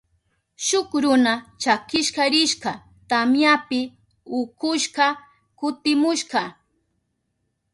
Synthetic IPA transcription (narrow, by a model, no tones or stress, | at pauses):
ʃʊkɾʊnat͡ʃakɪʃkɑɾɪʃɢɑ | t̪amjapɪ | ʊkʊʃɢɑ | kʊt̪ɪmʊʃɢɑ